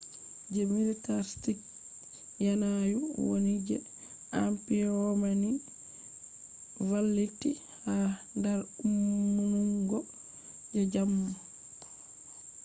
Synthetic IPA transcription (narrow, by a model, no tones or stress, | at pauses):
d͡ʒɛmilitaɾstik | janajuwo̰nid͡ʒɛ̰ | ampiɔmani | valːitːi | handaɾumːunuŋɡɔ | d͡ʒɛd͡ʒamːu